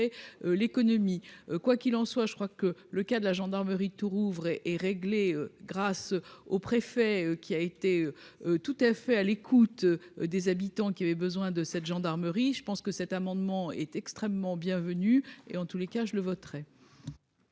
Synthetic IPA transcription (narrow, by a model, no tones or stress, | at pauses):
eølekɔnɔmikwakʲilɑ̃swaʒəkχwakələkad̪əlaʒɑ̃d̪aʁməʁit̪uʁuvʁɛʔɛʁeɡleøɡʁasopχefɛøkʲiaet̪eøt̪ut̪afɛalekʰut̪d̪ezabit̪ɑ̃kʲiavɛbəzwɛ̃d̪əsɛt̪ʒɑ̃d̪aʁməʁiʒəpɑ̃skəsɛt̪amɑ̃d̪mɑ̃ɛ̰t̪ɛkst̪χɛmːɑ̃bjɛ̃vənyḛɑ̃t̪ulekaʒələvɔt̪χɛ